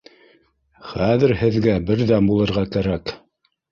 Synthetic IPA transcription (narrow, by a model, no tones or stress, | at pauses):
χæðɘ̆ɾhɘ̆ðɡæbɘɾðæbulˠɤ̆ɾʁɑkæɾæk